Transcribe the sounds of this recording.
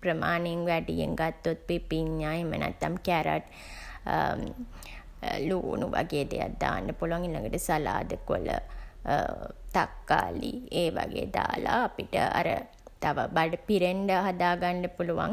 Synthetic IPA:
pɾəmaːneŋʋæɖijḛŋɡat̪ːot̪̚pipiɲːaːemənʔæt̪ːamkæɾa̰ʈ | luːnuʋaɡeːd̪ejat̪̚d̪aːnɖəpuluʋaŋilːaŋɡəʈəsalaːd̪əkolə̰ | t̪akːaːlieːʋaɡeːd̪aːlaːpiʈəa̰ɾə | t̪aʋabaɖəpiɾeɳɖəɦad̪aːɡanɖəpuluʋa̰ŋ

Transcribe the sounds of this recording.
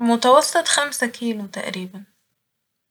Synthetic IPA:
mʊt̪ɑwɑsˤːɨt̪ˤxamsakʰiːlut̪a̰ʔɾiːbæn

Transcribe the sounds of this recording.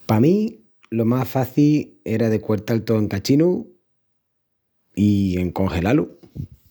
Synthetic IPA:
pamĩ | lo̞masfaθie̞ɾaðe̞kwe̞ɾt̪alt̪oeŋkat͡ʃinu | ie̞ŋko̞ŋxe̞lalu

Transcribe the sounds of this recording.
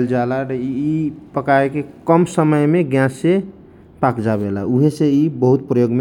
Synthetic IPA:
ld͡ʒalaɾəiipəkaekekəmsəməjmeɡjãse | pakd͡ʒabelauɦeseibəɦut̪pɾəjoɡme

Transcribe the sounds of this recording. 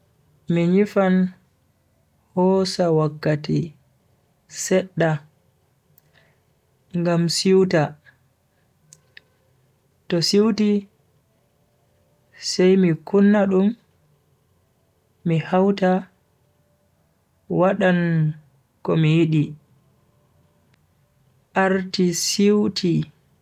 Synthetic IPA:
miɲifan | hɔsawakːati | sɛɗːa | ŋɡamsiwta | tɔsiwti | sɛjmikunːaɗum | ihawta | waɗan | kɔmijiɗi | ʔaɾtisiwtʰi

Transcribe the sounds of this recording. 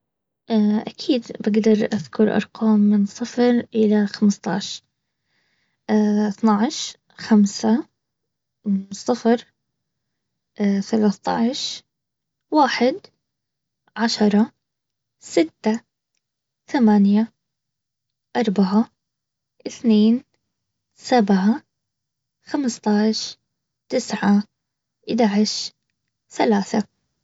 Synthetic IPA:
ʔʔakʰiːd̪baɡd̪ɑɾˤʔaðkʰʊɾˤʔɑ̰ɾˤqɑːmːɪnsˤɨfɾʔɪlaxamst̪ˤɑ̰ʕʃ | θnaʕʃ | xamsa | sˤɨfɾ | ʔθalaθt̪ɑ̰ʕʃ | waːħɪd̪ | ʕaʃɑɾˤɑ | sɪt̪ːa | θamanja | ʔɑɾˤbaʕa | ʔɪθneːn | sabʕa | xamst̪ˤɑʕʃ | t̪ɪsʕa | ʔɪd̪aʕɪʃ | θalaːθa

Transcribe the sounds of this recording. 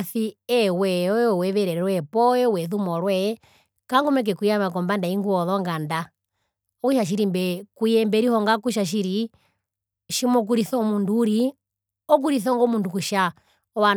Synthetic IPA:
θiɛwɛɔwɛʋɛɾɛɾɛɾwɛpɔɛwɛðumɔɾwɛ | kaŋɡɔmɛk̬ɛkujamak̬ɔmbandaiŋɡuɔðɔŋɡanda | ɔkuʃaʃ̬iɾimbɛkujɛmbɛɾihɔŋɡakuʃ̬aʃ̬iɾi | ʃimɔk̬uɾiθɔmunduːɾi | ɔk̬uɾiθɔŋɡɔmundukuʃa | ɔwa

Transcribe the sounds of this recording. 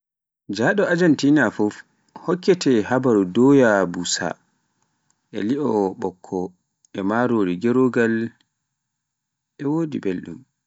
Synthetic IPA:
d͡ʒaɗɔad͡ʒantinafɔf | hɔkːɛtɛhabaɾudɔjabusa̰ | ʔɛ̰liʔɔɓɔkʰːɔ | ɛmaɾoːɾiɡeɾoɡal | ʔɛwoːdḭbelɗṵm

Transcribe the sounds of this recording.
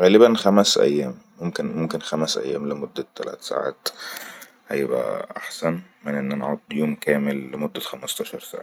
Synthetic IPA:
ɣæːlɪbænxæmæsʔæ̰jːæːmːʊmkɪnmʊmkɪnxæmæsʔæ̰jːæ̰ːmlɪmod̪ːæt̪ːælæ̰ːt̪sa̰ːʕa̰ːt̪ | ʔæ̰jːɪbæ̰ʔa̰ħsænmɪnʔenːɪnʕod̪ːjuːmkæːmɪllɪmod̪ːæxæmɑst̪ɑːʃɑɾˤsa̰ːʕa

